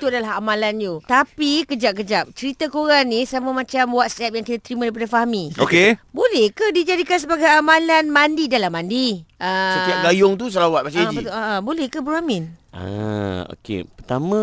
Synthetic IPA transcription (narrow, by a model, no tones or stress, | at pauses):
t̪uadalaɦamãlanjut̪apikəd͡ʒap̚kəd͡ʒap̚t͡ʃəɾit̪akoɾanĩsamamãt͡ʃamwat̪̚sɛp̚jaŋkit̪at̪əɾimãdaip̬adafaɦamio̰kebolɛhkadid͡ʒadikans̬əbaɡajamãlanmandidalamːandiəsət̪iaɡajʊŋt̪̬us̬əlawat̪̚bat͡ʃaid͡ʒibət̪aʔabolɛhkəbəɾamɪnʔa̰o̰kḛpərt̪amã